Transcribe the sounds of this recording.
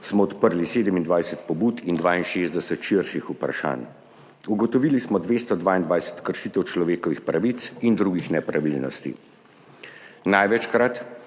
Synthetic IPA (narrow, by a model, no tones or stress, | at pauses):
smɔːt̪pəɾliseːd̪əmind̪ʋajsɛt̪̚pɔbuːt̪ind̪ʋaːinʃeːzd̪ɛsɛt̪ʃiɾʃixupɾa̰ʃa̰ːn | uɡɔt̪ɔʋiːlismɔd̪ʋeːst̪ɔd̪ʋaːind̪ʋajsɛ̥t̪kəɾʃit̪ɛwt͡ʃlɔʋeːkɔʋixpɾaʋit̪sind̪ɾuɡixnɛpɾaʋilnɔ̰st̪ḭ | najʋɛt͡ʃkɾat̪